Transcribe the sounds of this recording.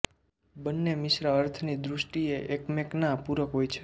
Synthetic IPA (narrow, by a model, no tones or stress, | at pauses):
bənːemɪʃɾaəɾt̪ʰnid̪ɾʊʃʈieʔekmeknapuɾəkɦojt͡ʃʰe̥